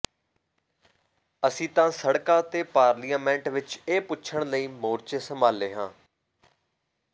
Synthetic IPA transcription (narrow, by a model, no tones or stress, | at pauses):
əsĩːt̪ãːsəɽkaːt̪eːpaːɾlijaːmɛ̃ːɳʈʋɪt͡ʃeːpʊːʃʰəɳ̃ləiːmoːɾt͡ʃesəmaːleːɦãː